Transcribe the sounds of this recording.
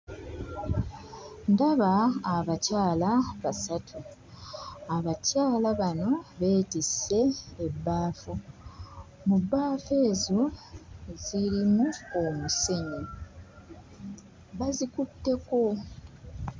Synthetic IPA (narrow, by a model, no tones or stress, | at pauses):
ndaβaːβacaːlaβasatʰu | aβacaːlaβano̞βe̞ːtise̞ːbːaːfu | mubːaːfe̞ːzo̞ | ziɾimuomuse̞ɲi | βazikutːe̞ko̞